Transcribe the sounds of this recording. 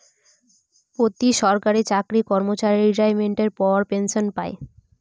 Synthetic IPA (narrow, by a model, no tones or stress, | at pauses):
ot̪iʃɔɾkaɾit͡ɕakɾikɔɾmot͡ɕaɾiiɾɖajmeɳʈeɾpɔɾpenʃonpae